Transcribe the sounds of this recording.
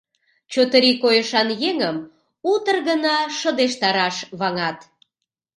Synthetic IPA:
t͡ɕot̪əɾikojəʃɑnjeŋəm | ut̪ərɣənɑʃəd̪eʃt̪ɑɾɑʃβɑŋɑt̪

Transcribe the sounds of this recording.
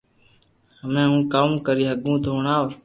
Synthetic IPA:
həmẽːɦũːkamkəɾiːɦəɡũːt̪oʊːɳaːʋ

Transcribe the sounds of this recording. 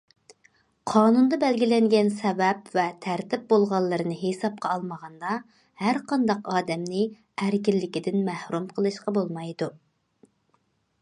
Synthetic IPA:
qʰɑːnund̪ɑbɛlɡʲilɛŋɡʲɛnsɛvɛpvɛt̪ʰæɾt̪ɪp̚bolˠʁɑlˠːɨɾɨnɨɦesɑp̚qɑːlˠməʁɑnd̪ɑ | hæɾqʰɑnd̪ɑqɑːd̪ɛmnɪ | æɾkʲilːɪkʲid̪ɪnmæhɾumqʰəlˠɨʃqɑbolˠmɑjd̪u

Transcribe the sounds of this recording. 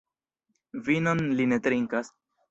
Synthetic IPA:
vinonlinet̪ɾiŋkas

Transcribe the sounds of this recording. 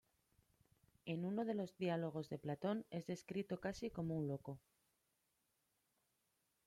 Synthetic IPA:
e̞nuno̞ðe̞lo̞zðialo̞ɣ̞o̞zðe̞plat̪o̞ne̞zðe̞skɾit̪o̞kasiko̞mounlo̞ko̞

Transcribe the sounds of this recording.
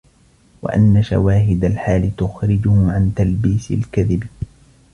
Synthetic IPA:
wa̰ʔa̰nːaʃa̰waːɦɪd̪alħaːlɪt̪ʊxɾɪd͡ʒʊhʊʕant̪albiːsɪ̰lkaðɪb

